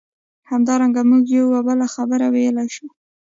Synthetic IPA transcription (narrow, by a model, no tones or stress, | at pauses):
hamd̪ɑɾaŋɡamuɡjawabəlaxabəɾawejəlajʃu